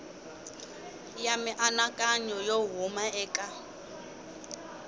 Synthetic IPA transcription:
jamɪʔanakʼaɲɔjoɦʊmaɛːkʼa

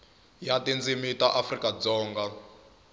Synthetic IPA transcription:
jatind͡zimitaʔafrikʼad͡zɔːŋɡa

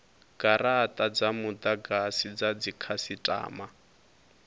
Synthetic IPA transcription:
ɡ̥aratʼad͡zamud̪aɡasid͡zad͡zikʰasitʼa̰ːma

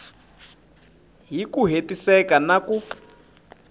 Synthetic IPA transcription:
ɦikuɦetisɛkanaku

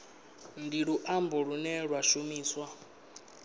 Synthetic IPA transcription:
ndiɺuʔambɔɺunɛɺwaʃumiːswa

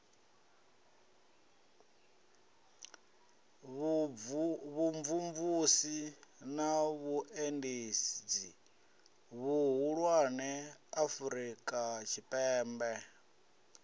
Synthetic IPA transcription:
βuɱvuɱvusinaβuʔendesid͡zi | βuɦuɺwanɛafuɾikʼat͡ʃʰipʼɛːmbɛ

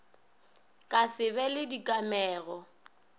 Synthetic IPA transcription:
kʼasɪbɛlɪdikʼamɛːɣɔ

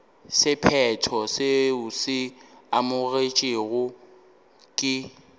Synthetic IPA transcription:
sɪpʰɛtʰɔseʊsɪamʊɣet͡ʃʼɪɣʊ | kʼɪ

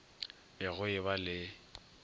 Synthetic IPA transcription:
ɪɣʊɪβalɪ

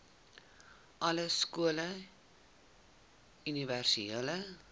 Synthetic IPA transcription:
ʔɐləskuələ | yniværsieələ

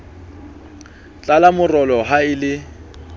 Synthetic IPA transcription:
t͡ɬʼalamʊrɔlɔɦaɪlɪ

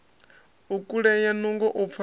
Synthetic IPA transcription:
ukʼuɺɛjanuŋɡɔʔup̪fʰa

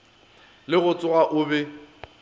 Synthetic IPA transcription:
lɪɣʊt͡sʼʊɣaʔʊbɛ

